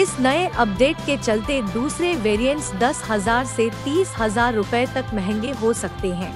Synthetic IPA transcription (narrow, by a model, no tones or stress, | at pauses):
ɪsnɐeʔɐp̚ɖeːʈ̚ket͡ʃɐlt̪ed̪uːsɾeʋeːɾijə̃ɳʈsd̪ɐsɦɐzaːɾset̪iːshɐzaːɾːʊpɛet̪ɐkmɛɦɛ̃ŋɡeɦosɐk̚t̪eɦɛ̃ː